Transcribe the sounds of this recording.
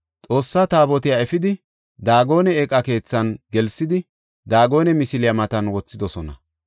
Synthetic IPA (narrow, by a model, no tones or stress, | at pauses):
t͡sʼo̞ːsːat̪aːbɔt̪ɪjaɛfɪd̪ɪ | d̪aːɡo̞ːnɛɛkʼːɐke̞ːt͡sːɐnɡɛlsɪd̪ɪ | d̪aːɡo̞ːnɛmɪsɪlɪjɐmɐt̪ɐnwɔt͡sːɪd̪ɔsɔnɐ̰